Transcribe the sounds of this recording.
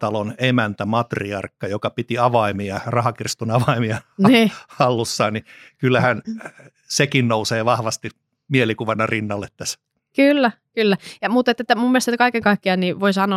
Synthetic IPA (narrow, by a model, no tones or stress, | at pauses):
t̪ɑlonemænt̪æmɑt̪riɑrkːɑjokɑpit̪iɑʋɑimiɑrɑhɑkirst̪unɑʋɑimiɑniːɑlːusːɑːnnikylːæhæn | sekinnouseːʋɑhʋɑst̪i | mielikuʋɑnɑrinːɑlːet̪t̪æs | kylːæ | kylːæjɑmut̪et̪ːet̪ːæmumːielest̪t̪ːkɑikeŋkɑikːiɑnniʋoisɑno